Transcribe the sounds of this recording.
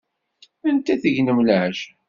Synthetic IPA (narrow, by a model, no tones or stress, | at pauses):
ənt̪æθəʝnəmləʕəʒ